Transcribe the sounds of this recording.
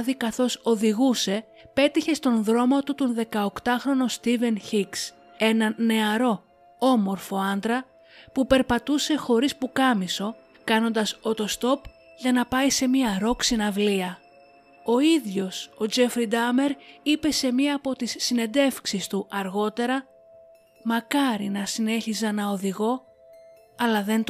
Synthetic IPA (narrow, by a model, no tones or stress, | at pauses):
ðikɐθo̞so̞ðiɣuse̞ | pe̞t̪içe̞st̪o̞nðɾo̞mot̪ut̪onðe̞kɐokt̪ɐxɾo̞nost̪ive̞nçiks | e̞nɐne̞ɐɾo̞ | o̞mo̞ɾfo̞ɐnd̪ɾɐ | pupe̞ɾpɐt̪use̞xo̞ɾispukɐmiso̞ | kɐno̞nd̪ɐso̞t̪o̞st̪o̞p | ʝɐnɐpɐjse̞miɐɾo̞ksinɐvliɐ | o̞iðʝo̞so̞d͡ʒe̞fɾid̪ɐme̞ɾipe̞se̞miɐːpo̞t̪isːine̞d̪e̞fksist̪uʔɐɾɣo̞t̪e̞ɾɐ | mɐkɐɾinɐsine̞çizɐnɐo̞ðiɣo̞ | ɐlɐðe̞nt̪